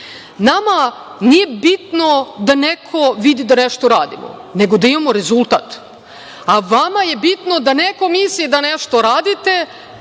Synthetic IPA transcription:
nama | nije̞bit̪no̞d̪anekʰo̞ʋid̪id̪aneʃt̪oɾaːd̪ḭmo̰ne̞ɡo̞d̪aimamoɾe̞zulˠt̪at̪ | aʋamaje̞bit̪no̞d̪aneko̞mislʲid̪aneʃt̪oɾaːd̪it̪e̞

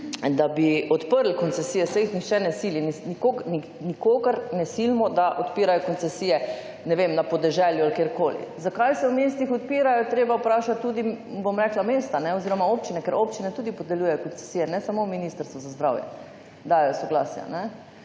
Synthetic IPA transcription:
d̪abiɔt̪pəɾlkɔnt̪sɛsijɛsexnixt͡ʃɛnɛsiːlininikoɡni | nikoɡaɾnɛsilmɔd̪aʔɔt̪piːɾajɔkɔnt̪sɛsiːjɛ | nɛʋemnapɔd̪ɛʒɛljualkjeːɾkoːlḭzakajsɛwmeːst̪ixɔt̪̚piːɾajɔt̪ɾeːbawpɾaːʃat̪̚ːuːd̪ibomɾɛklameːst̪anɛɔziːɾɔmaoːpt͡ʃinɛkɛɾʔopt͡ʃinɛt̪uːd̪ipɔd̪ɛljuːjɛjɔkɔnt͡s̪ɛ̥siːjɛnɛsamominist̪əɾst̪ʋuzazd̪ɾawjɛ̰ | d̪aːjɔsɔɡla̰ːsja̰nɛ

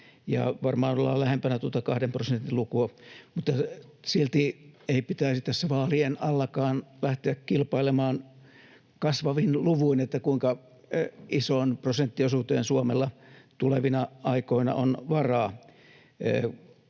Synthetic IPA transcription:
jɑ̰ʋɑrmɑːnolːɑ̰læhempænæt̪uot̪ɑkɑhdemprosent̪ilukuɑmut̪ːɑsilt̪ieipit̪æisit̪æsːæʋɑːlienɑlːɑkɑːnlæht̪eækkilpɑilemɑːn | kɑsʋɑʋinluʋuinet̪ːækuiŋkɑ | isonprosent̪ːiosut̪eːnsuomelːɑt̪uleʋinɑɑikoinɑ̰ʔonʋɑrɑː

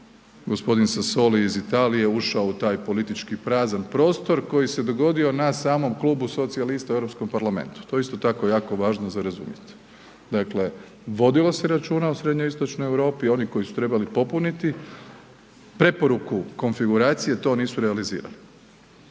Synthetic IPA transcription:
ɡo̞spo̞d̪insaso̞liizit̪aːlije̞uʃaout̪aːjpo̞lit̪it͡ʃkipɾaːzanpɾo̞ːst̪oɾko̞jise̞d̪o̞ɡo̞d̪io̞nasaːmo̞mklˠuːbuso̞t̪sialist̪aevɾo̞psko̞mpaɾlˠame̞̰nt̪u̥t̪oeist̪o̞t̪ako̞jaːko̞ʋaːʒnozaɾazṵmjet̪ | d̪akle̞ | ʋo̞d̪ilˠose̞ɾat͡ʃuːnausɾe̞d̪ɲoist̪o̞t͡ʃnojeʋɾo̞ːpio̞niko̞isu̥t̪ɾebalipo̞punit̪i | pɾe̞po̞ɾukuko̞nfiɡuɾaːt̪sije̞t̪o̞ːniːsuɾealizḭːɾa̰li

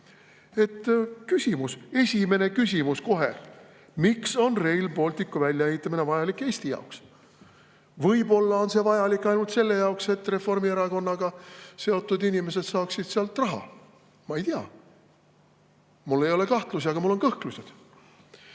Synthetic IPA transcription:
e̞t̪ːkysʲimuse̞sʲime̞ne̞kys̬ʲimusko̞ɦe̞̰ | mikso̞nre̞jlpo̞lʲt̪ikːˑuvælʲjɑehit̪ːˑɑminevɑjɑlikːˑe̞ːsʲt̪ijɑ̰oks | vɤjbo̞lːɑo̞nse̞vɑjɑlikːˑɑjnult̪se̞lːe̞jɑokse̞t̪ːre̞fo̞rmieɾɑko̞nːɑɡ̥ɑse̞o̞t̪ːˑud̪inʲime̞se̞d̪̥sɑːksid̪̥seɑlt̪rɑɦɑ̰ | mɑejt̪iɑ̰ | mulːe̞jo̞le̞kɑht̪lusiɑɡɑmulːo̞nkɤhklusʲed̪̥

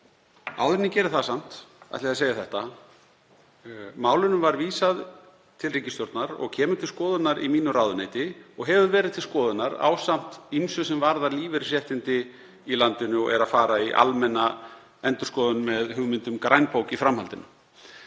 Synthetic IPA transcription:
a̰ːwðɪnːɪcɛːɾɪθasam̥t̪a̰t̪laðseːjaθɛht̪a | maːwlʏnʏmvaɾviːsað | t̪ʰɪlriːcɪst̪jowɾt̪naɾɔ̰ɣcʰɛːmʏt̪ʰɪlskɔːðʏt̪naɾimiːnʏraːwðʏneːjt̪ɪɔɣɦɛvʏɾvɛːɾɪðt̪ʰɪlskɔːðʏnaɾa̰wsam̥t̪imsʏsɛmvaɾðaɾliːvɪɾsjɛht̪ɪnt̪ɪ | ilant̪ɪnʏɔ̰ɣɛ̰ɾaðfaːɾaiʔa̰lmɛnːa | ɛnt̪ʏɾ̥skɔːðʏnmɛðɦʏɣmɪnt̪ʏmkɾajnpowcifɾamhalt̪ɪnʏ

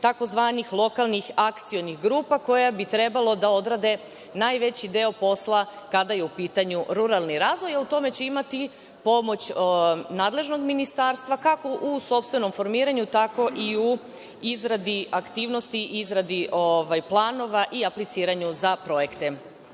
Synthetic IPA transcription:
t̪ako̞zʋaːnixlˠo̞kalˠnixakt̪sio̞nixɡɾuːpako̞jabit̪ɾe̞balˠod̪ao̞d̪ɾad̪e̞ | naːjʋe̞t͡ɕid̪e̞o̞po̞slˠakad̪aje̞upiːt̪aɲuɾuɾalˠniɾaːzʋo̞jaut̪o̞me̞t͡ɕe̞imat̪i | po̞mo̞t͡ɕnaːd̪le̞ʒno̞ɡminist̪aɾst̪ʋakako̞ʔuso̞pst̪ʋe̞no̞mfo̞ɾmiːɾaɲut̪ako̞ʔiu | izɾad̪iakt̪iːʋno̞st̪iʔizɾad̪iʔoʋajplˠaːno̞ʋaʔiaplit̪siːɾaɲuzapɾo̞je̞kt̪e̞

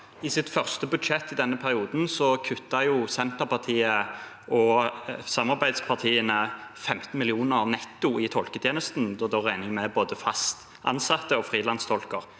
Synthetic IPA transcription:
ɪsɪt̪fœʁst̪əbʉd̪ʂɛt̪ːɪd̪ɛnːəpʰæɾɪuːd̪n̩sɔkʰʉt̪ːɑjʊsɛnt̪əɾpɑt̪ʰiːə | ʔɔsɑmɑʁbæɪd̪spʰɑʁt̪ʰiːənəfɛmt̪n̩mɪlɪuːnəʁnɛt̪ːʊɪt̪ʰɔlkət̪ʰjeːnəst̪n̩d̪ɔd̪oʁæɪnɪŋmɛboːd̪əfɑst̪ | ʔɑ̰nsɑt̪ːəɔfʁiːlɑnst̪ʰɔlkəʁ

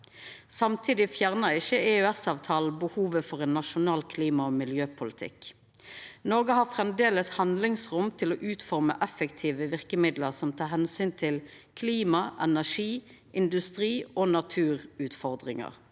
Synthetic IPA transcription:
sɑmt̪ʰiːd̪ɪfjæʁnəʁɪçəeːʉɛsɑːʋt̪ʰɑːlbəhuːʋəfɔʁeːnːɑʃʊnɑːlkʰliːmɑoːmɪljøːpʰʊlɪt̪ʰɪ̰k | nɔɡəhɑːfʁɛmd̪eːləshɑnd̪lɪŋsʁʊmt̪ʰɪloːʔʉːt̪fɔʁmə̰ʔɛfəkt̪ʰiːʋəʋɪʁkəmɪd̪ləʁsɔmt̪ʰɑːʁɦɛnsyːnt̪ʰɪl | kʰliːmɑʔɛnæʁʂiː | ʔɪnd̪ʉst̪ʁiːoːnɑt̪ʰʉːʁʉːt̪fɔʁd̪ʁɪŋə̰ʁ

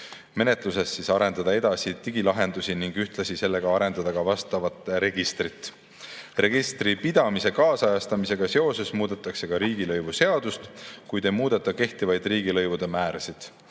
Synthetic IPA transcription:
me̞ne̞t̪ˑluse̞sːisɑɾe̞nd̪ɑd̪ɑe̞d̪ɑsit̪iɡ̥ilɑɦe̞nd̪usiniŋɡ̥yht̪lɑsise̞lːe̞ɡ̥ɑɑɾe̞nd̪̥ɑd̪̥ɑɡɑvɑst̪ɑvɑt̪ːˑɾe̞ɡist̪rit̪ːˑ | re̞ɡist̪ripid̪̥ɑmise̞kɑːsɑjɑst̪ɑmise̞ɡ̥ɑse̞o̞se̞smuːd̪̥et̪ːˑɑkse̞ɡ̥ɑɾiːɡ̥ilɤjvuse̞ɑd̪̥ust̪kujd̪e̞muːd̪̥et̪ːˑɑke̞ht̪ivɑjd̪riːɡilɤjvud̪̥e̞mæːɾɑsid̪̥

